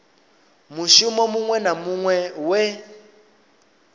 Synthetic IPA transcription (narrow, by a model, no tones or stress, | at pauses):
muʃumɔmuŋwɛnamuŋwɛwe